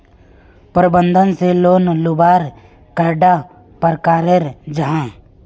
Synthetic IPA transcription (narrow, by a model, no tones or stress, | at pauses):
pəɾɪbə̃nd̪ʱənseloːnlʊbaːɾ | kəɾɖa | pəɾkaːɾeɾd͡ʒəɦãː